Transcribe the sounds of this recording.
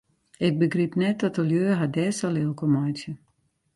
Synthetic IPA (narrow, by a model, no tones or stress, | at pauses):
ɪk̚bəɡripnɛt̚ːɔtəljøːɦadɛːsɔlɪlˠkʰɔmɔjtjə